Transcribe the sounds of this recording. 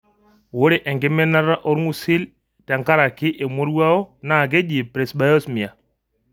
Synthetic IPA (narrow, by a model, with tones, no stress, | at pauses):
wo˦ɾɛ˦ʔɛ˨ŋɡɛ˦mɛ˦na˦ɾa˦ʔɔ˦ɾmu˦si˦l | ta˨ŋka˦ɾa˨ki˦ʔɛ˨mo˦ɾwa˦ɔ˦na˦˨ɡɛ˦ʄi˨pɾɛ˨sɓa˦jɔ˦smi˨a˨